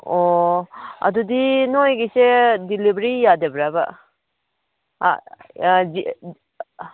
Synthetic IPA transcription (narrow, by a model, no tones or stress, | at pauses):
o | a̰dudinojɡisedilibɾijadebɾaba̰ | i